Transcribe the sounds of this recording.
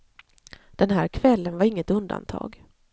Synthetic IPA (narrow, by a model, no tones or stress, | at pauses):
d̪̥ɛnɦæːɾkʰvɛlːənvaɾɪŋːət̪ɵnd̪a̰nt̪ʰɑ̰ːɡ